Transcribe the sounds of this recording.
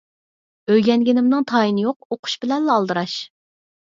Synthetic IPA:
øjɡʲɛnɡʲɪnɪmnɨŋt̪ʰɑːjinɪjoq̚oqʰʊ̥ʃbɪlɛnlɑlˠd̪ɨɾɑʃ

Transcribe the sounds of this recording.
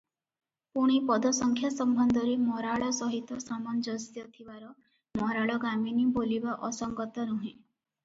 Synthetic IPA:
puɽ̃ipɔd̪ɔsɔŋkʰjasɔmbʱɔnd̪ʱɔɾemɔɾaɭɔsɔɦit̪ɔsamɔnd͡ʒɔst̪jɔt̪ʰibaɾɔ | mɔɾaɭɔɡaminibolibaʔɔsɔŋɡɔt̪ɔnuɦẽ

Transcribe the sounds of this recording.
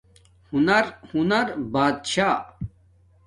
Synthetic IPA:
hunɐɾhunɐɾbaːd̪ɕaː

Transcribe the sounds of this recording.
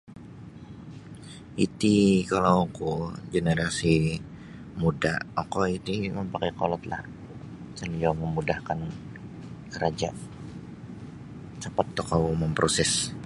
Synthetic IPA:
it̪ikalawkuɡenəɾasi | mudaʔokɔit̪iməmpakajkolɔt̪la̰h | səliaməmudahkan | kəɾad͡ʒa̰ʔ | t͡ʃəpat̪ːokawməmpɾʔosɛs

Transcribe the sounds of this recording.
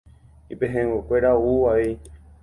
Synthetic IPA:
ipẽɦẽwekʷeɾauʋai

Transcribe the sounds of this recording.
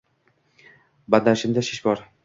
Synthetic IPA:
band̪aʃɪnd̪aʃɪʃbɒɾ

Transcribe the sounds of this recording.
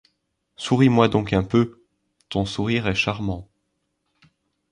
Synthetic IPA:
suʁimwad̪ɔ̃kɛ̃pø | t̪ɔ̃suʁiʁɛʃaʁmɑ̃

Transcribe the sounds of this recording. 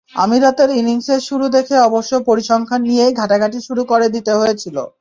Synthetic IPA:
a̰miɾat̪eɾiniŋseɾʃuɾud̪ekʰeɔboʃːopoɾiʃɔŋkʰanːijeɡʱaʈaɡʱaʈiʃuɾukoɾed̪it̪eɦoet͡ɕʰilo̰

